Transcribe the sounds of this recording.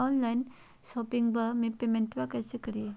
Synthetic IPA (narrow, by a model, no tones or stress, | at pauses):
ɔːnlaɪn | sɔːpɪ̃ŋɡbəmẽpeːmẽɳʈʋakɛːsekɐɾie